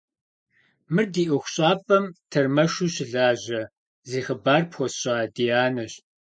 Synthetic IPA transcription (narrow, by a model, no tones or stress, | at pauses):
mɨrdiːʔɨxʷɕʼaːpʼɐmtʰɐrmɐʃuɕɪɮaːʑɐ | ziːxɐbaːrpxʷɔɕʼaːdijaːnɐɕ